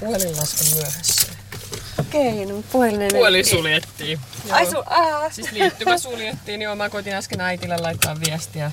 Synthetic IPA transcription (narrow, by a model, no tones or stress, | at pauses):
plillːɑskemmyøhæsːæ | keinmut̪puolinelolisuljet̪ːiːɑisuɑsit̪liːt̪ːymæsuljet̪ːiːniomɑkoit̪inɑskenɑit̪ilːelɑit̪ːɑːʋʋiɛst̪iæ